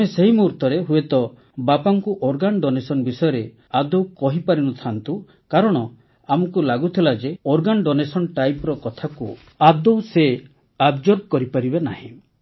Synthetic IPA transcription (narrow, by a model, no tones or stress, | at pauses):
eseɦimuɾt̪ɔɾeɦuet̪ɔ | bapaŋkuʔɔɾɡanɖɔnesɔnbisɔjɔɾe | ad̪owkɔɦipaɾinɔt̪ʰant̪u | kaɾɔɽ̃ɔ | amɔkulaɡut̪ʰilad͡ʒeɔɾɡanɖɔnesɔnʈajpɾɔkɔt̪ʰaku | ab̚d̪owse | abd͡ʒoɾb̚kɔɾipaɾibenaɦĩ